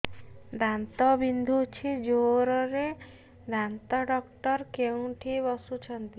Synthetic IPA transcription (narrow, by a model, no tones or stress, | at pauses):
d̪ʱant̪ɔbind̪ʱut͡ʃʰid͡ʒoɾɔɾe | d̪ʱant̪ɔɖɔkʈɔɾkew̃ʈʰiβɔsut͡ʃʰɔnt̪i